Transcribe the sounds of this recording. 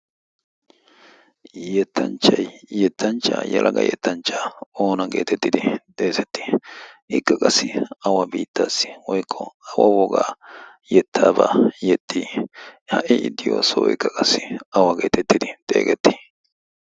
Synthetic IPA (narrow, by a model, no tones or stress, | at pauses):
jjɛt̪ʰːɐnt͡ʃːɐjjɛt̪ːɐnt͡ʃːa̰ːjɛ̰lʔɐɡɐ̰jɛ̰t̪ːɐnt͡ʃːaːo̞ːnɐɡeːt̪ɛt̪ːɪd̪ɪd̪eːsɛt̪ːɪ̥ʔɪkːɐkʼɐsːɪɐwɐbiːt̪ːaːsːɪ̥wɔjkʰːɔɐwɐ̰wɔɡa̰ː | jɛt̪ʰːaːba̰jɛt̪ʰʼːiːhɐʔɪʔɪd̪ːɪjo̰ːsɔwjkːɐkʼɐsːɪɐwɐɡe̞ːt̪ɛt̪ːɪd̪ɪt̪ʼe̞̰ːɡɛt̪ːɪ̥